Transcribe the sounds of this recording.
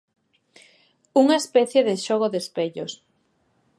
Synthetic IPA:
uŋaespɛθjeðeʃoɣ̞oðespeʎos

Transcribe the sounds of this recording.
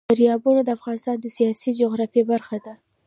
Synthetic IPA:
aɾjɑbunod̪əafɣɑnɪst̪ɑnd̪əsijɑsid͡ʒoɣɾɑfebaɾxad̪a

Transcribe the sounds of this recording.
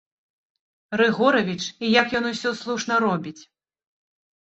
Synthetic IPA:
rɨɣɔɾɐvʲit͡ʂijakjɔnusʲɔslˠuʂn̪ɐɾɔbʲit͡sʲ

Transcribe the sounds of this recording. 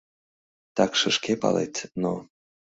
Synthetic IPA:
t̪ɑkʃəʃkepɑ̰lḛt̪no

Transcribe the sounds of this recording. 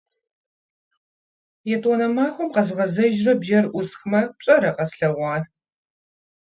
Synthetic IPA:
jɛtʼɔnɐmaːxʷɔmqɐzɨʁɐzɐʒrɐbʒɐrʔʷʊsxmɐɕʼɐɾɐqɐsɬɐʁʷɑːr

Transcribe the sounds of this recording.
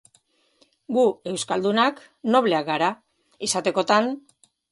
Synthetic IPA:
ɡue̞wskald̪unak | no̞βle̞akɡaɾa | isat̪e̞ko̞t̪an

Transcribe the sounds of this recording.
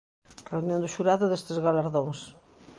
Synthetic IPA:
reunjõnd̪ʊʃuɾaðʊðest̪ezɣalaɾðoŋs

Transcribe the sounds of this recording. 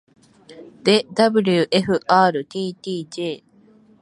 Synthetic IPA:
d̪ed̪ɐbilijuʔeɦuʔaːɾut̪iːt̪iːd͡ʒeː

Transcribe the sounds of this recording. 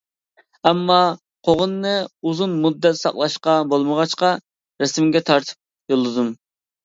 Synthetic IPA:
ɛmːɑ | qʰoʁənːɨuzunmud̪ːɛt̪sɑ̰qlˠɑʃqɑbolˠməʁɑt͡ʃqɑ | ɾɛsɪmɡʲɛt̪ʰɑɾt̪ʰɨ̥p̚ | jolˠɨd̪um

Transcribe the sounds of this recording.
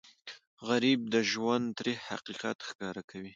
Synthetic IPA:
ɣaɾib̚d̪əʒwand̪t̪ɾiha̰qiqa̰t̪xkɑɾakʰawi

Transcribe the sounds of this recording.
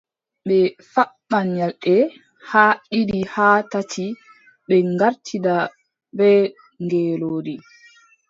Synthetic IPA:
ɓɛfaɓːanjalɗɛ | haːɗidihaːtatʰi | ɓɛŋɡaɾtʰida | bɛ | ŋɡɛːloːdi

